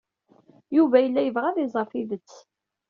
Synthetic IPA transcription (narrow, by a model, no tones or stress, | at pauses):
juvæjəlːæjəvʁæðɪzˤəɾˤfiðət͡sː